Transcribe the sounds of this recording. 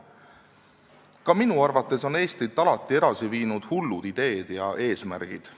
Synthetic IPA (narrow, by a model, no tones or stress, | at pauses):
kɑminuɑrvɑt̪ːˑe̞so̞ne̞ːst̪ɾit̪ːˑɑlɑt̪ːˑie̞d̪̥ɑsiviːnud̪̥hulːud̪̥id̪̥e̞ːd̪̥jɑʔe̞ːsmæ̰ɾɡ̥id̪̥